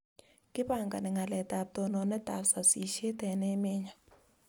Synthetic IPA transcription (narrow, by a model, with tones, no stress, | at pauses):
kʼɪ˦ɓa˦˨ŋɡa̰˨nɛ˨ŋa˨lɛ˨tʼa˨p̚tɔ˨nɔ˨nɛ˦ta˨sa˨si˨ʃe˦tɛ˨nɛ˦meː˦ɲa˨